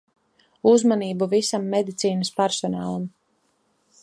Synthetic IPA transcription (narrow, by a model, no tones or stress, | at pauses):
uzmaniːbuvisamːed̪it̪siːnəspaɾsɔnaːlˠam